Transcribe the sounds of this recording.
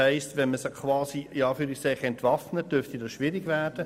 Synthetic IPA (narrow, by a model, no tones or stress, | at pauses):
ɛɪstʋɛnməsokʰvɑːsiiɑːfyːɾiksɛɪχɛntvɑfnəd̥øɾftidɑsʃʋɪɾɪɡvæːrd̥ə